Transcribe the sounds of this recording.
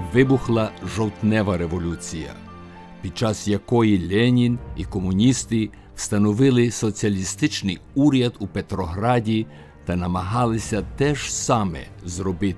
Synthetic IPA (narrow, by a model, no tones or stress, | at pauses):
ʋɪbuxlˠɐʒɔwt̪nɛʋɐɾeʋɔlʲut͡sʲijɐ̰ | pʲid̪̚t͡ʃɑsjɐkɔjilʲɛnʲinikɔmʊnʲist̪ɪ | st̪ɐnɔʋɪlˠɪsɔt͡sʲiɐlʲist̪ɪt͡ʃnɪjuɾʲjɐd̪upet̪ɾɔɦɾɑdʲi | t̪ɐnɐmɐɦɑlˠɪsʲɐt̪ɛʒ̥sɑmɛ̰ | zɾɔbɪt̪